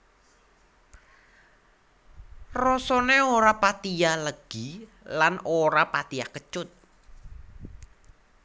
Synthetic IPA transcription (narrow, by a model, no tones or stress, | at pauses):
rɔsɔneoɾapat̪ijaləɡ̥i | lanoɾapat̪iakət͡ʃʊt̪̚